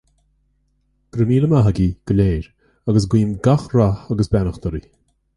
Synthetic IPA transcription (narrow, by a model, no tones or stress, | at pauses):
ɡ̥ɾəmiːləmaɦəɡiɡ̥əleːɾ | aɡəs̬ɡwiːnɡaxɾaaɡəsbɛnəxt̪əɾi